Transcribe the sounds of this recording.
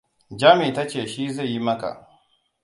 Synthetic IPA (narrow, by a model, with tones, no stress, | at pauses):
d͡ʒaː˦mi˨ta˦t͡ʃeː˨ʃiː˦za˦˨jːi˦mɐ˦ka̰˨ʔ